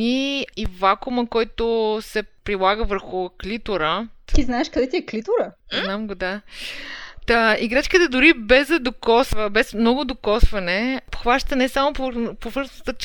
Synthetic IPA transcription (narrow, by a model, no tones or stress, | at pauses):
iivakʊməkɔjt̪osɛpɾilˠaɡəvəɾxʊklit̪ʊɾət̪iznaɛʃkɐd̪ɛt̪iɛklit̪ʊɾəznamɡod̪a | t̪aiɡɾat͡ʃkət̪əd̪ʊɾibɛzɐd̪okɔsvəbɛsmnɔɡʊd̪okɔsvɐnɛpxvaʃt̪ənɛsamopopovɤɾzət̪ət͡ʃ